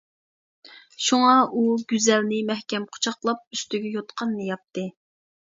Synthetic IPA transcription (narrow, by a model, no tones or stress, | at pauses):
ʃuŋɑʔuɡʲyzɛlnɪmɛhkʲɛmqʰʊ̥t͡ʃʰɑqlˠɑp̚yst̪yɡʲɛjot̪qʰɑnːɨjɑp̚t̪ʰːɨ